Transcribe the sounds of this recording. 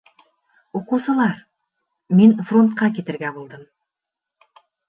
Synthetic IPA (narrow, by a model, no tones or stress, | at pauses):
oqusəlˠɑɾ | menfro̞nt̪̚qɑkʲet̪ɪɾɡʲæbolˠd̪əm